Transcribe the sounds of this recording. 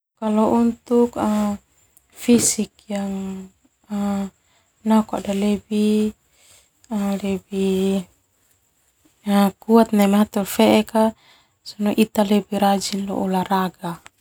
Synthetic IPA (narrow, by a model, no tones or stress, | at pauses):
kalɔʔunt̪uka | fisik̚jaŋ | a | naka̰dalebi | alɛbi | akuat̪̚namat̪ɔlfɛʔɛka | sɔnɔʔit̪alɛbiɾad͡ʒinlɔ̰ʔɔlaɾaɡa